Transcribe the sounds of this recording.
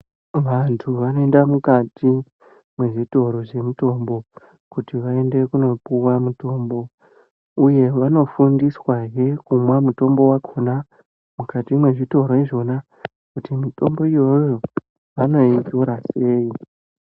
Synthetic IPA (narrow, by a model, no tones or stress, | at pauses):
ʋantʰuʋanoe̞ndamukati | mwe̞ʐito̞ɾo̞ʐe̞muto̞mbo̞ | kutiʋae̞nde̞kuno̞puwamuto̞ːmbo̞ | uje̞ʋano̞fundiswaje̞kumwamuto̞mbo̞wakʰona | mukatimwe̞ʐito̞ɾoiʐo̞na | kutimito̞̰mbo̞ijo̞joo | ʋano̞itoɾase̞ːi